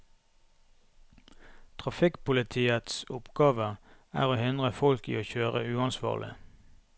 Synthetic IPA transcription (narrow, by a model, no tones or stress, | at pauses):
t̪ʰʁɑfɪkpʊlɪt̪ʰiːət̪sʊpɡ̥ɑːʋə | æ̰ːʁoːhʏnʁəfɔlkḭːoːçøːʁəʉːɑnsʋɑ̰ːʁlʔɪ̰